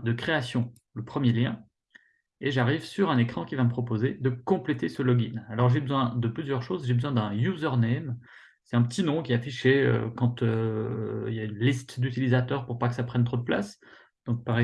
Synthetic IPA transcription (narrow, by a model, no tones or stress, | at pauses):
d̪əkχeasjɔ̃ | ləpχəmjeljɛ̃ | eʒaʁivsyʁɛ̃nekχɑ̃kʲivaməpχɔpozed̪əkɔ̃plet̪esəlɔɡinalɔʁʒebəzwɛ̃d̪əplyzjœʁʃozʒebəzwɛ̃d̪ɛ̃juzœʁnɛm | sɛ̥t̪ɛ̃pət̪inɔ̃kʲiɛafiʃeø̰kɑ̃t̪ø | ḭljaynlist̪d̪yt̪ilizat̪œʁpuʁpakəsapχɛnt̪χod̪əpla̰s | d̪̥ɔ̃k̚paʁɛ